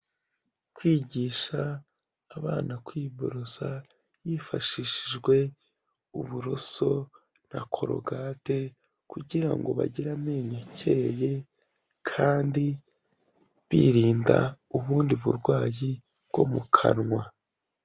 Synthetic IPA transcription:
kwiːɟiːʃaː | βaːnakwiːbo̰ɾoza | jiːfa̰ʃiʃiʒɡwe̞ | ṵβuɾo̞so̞ | nakʰo̞̰ɾo̞̰ɡaːte̞ | kuɟiɾa̰ŋɡo̞βa̰ɟiɾameːɲocʰe̞ːje̞ | kʰaːndi | βḭːɾiːnda̰ | uβuːndiβṵɾɡwaːji | bɡ̥o̞̰mukʰa̰nŋwa

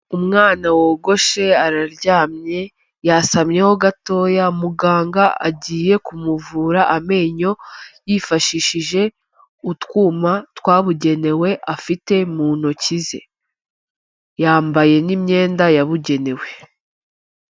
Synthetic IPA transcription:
umŋaːnawo̞ːɡo̞ʃe̞aɾaɾɟaːmɲe̞ | jasamɲe̞ho̞ɡato̞ːjamuɡaːŋɡaa̰ɟiːje̞kumuvuːɾaʔame̞ːɲo̞jifaʃiʃiʒe̞ | utkwuːmatwaːβuɟe̞ne̞we̞ʔafite̞muːn̥ho̞cizḛ | jaːmbaje̞nimɲe̞ːndajaβuɟe̞ne̞we̞

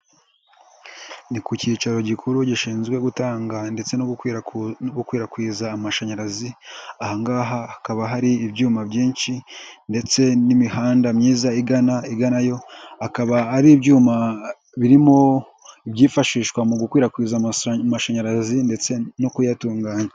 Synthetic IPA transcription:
nikuciːt͡ʃaɾo̞ɟikʰuɾuɟiʃiːnzɡwe̞ɡutaːŋɡande̞t͡se̞no | noɡukwiːɾakwiːzaːmaʃaɲaɾaziahaŋɡaɦaːkaβaɦaɾiːbjɟuːmabɟiːnʃinde̞t͡se̞nimihaːndamɲiːzaiɡanaiɡanajo̞akaβahaɾibɟuːma | βiɾimo̞ | iβɟiːfaʃiːʃkwamuɡukwiːɾakwiːzamaʃaɲaɾazinde̞t͡se̞nokujatuːŋɡaːɲa

